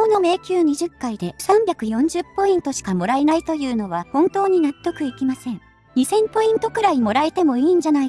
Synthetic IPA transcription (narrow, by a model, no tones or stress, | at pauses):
oːno̞me̞ːkʲɨːɲ̟iʑɨkːaid̪e̞sãmbʲakɯ̟jõ̞ɲ̟d͡ʑɨpːo̞ĩnt̪o̞ɕi̥kamo̞ɾaenait̪o̞jɯ̟ːno̞βahõ̞nt̪o̞ːɲ̟inat̪ːo̞kɯ̟ikʲimasẽ̞ŋ | ɲ̟isẽ̞mpo̞ĩnt̪o̞kɯ̟ɾaimo̞ɾaet̪e̞mo̞iːɲ̟d͡ʑanai